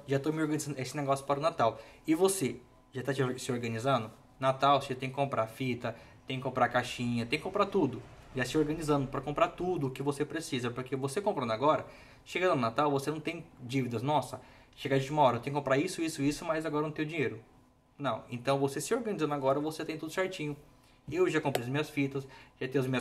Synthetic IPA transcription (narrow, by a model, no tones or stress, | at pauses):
ʒat̪omɪoɾɡɐnizɐ̃nd̪ʊesɪneɡɔsjʊ̥paɾʊnat̪awɪvose | ʒat̪at͡ʃɾsɪoɾɡɐnizɐ̃nd̪ʊ | nat̪awsset̪ẽkɪ̥kõpɾʔafit̪ɐt̪ẽkɪkõmpɾakaʃĩɲɐt̪ẽkɪkõpɾat̪ud̪ʊ | ʒasɪoɾɡɐnizɐ̃nd̪ʊpɾɐkõmpɾat̪ud̪ʊːkɪvosepɾesizɐpoɾkevosekõpɾɐ̃naɡɔɾɐ | ʃeɡɐd̪ɐnnat̪awvosenɐ̃w̃t̪ẽj̃d͡ʒivid̪ɐznɔsɐ | ʃeɡaʒẽt͡ʃumɐaɔɾɐt̪ẽjʊkõpɾaisʊisʊisʊmajzaɡɔɾɐnɐ̃t̪ẽj̃ʊ̃d͡ʒĩeɾʊ | nɐ̃w̃ẽnt̪ɐ̃w̃vosesɪoɾɡɐnizɐ̃naɡɔɾɐvoset̪ẽj̃t̪ud̪ʊʃɛɾt͡ʃĩɲʊ | ewʒakõmpɾiɐzmĩɲɐsfit̪ɐsʒat̪ẽj̃ʊɐzmĩɲɐ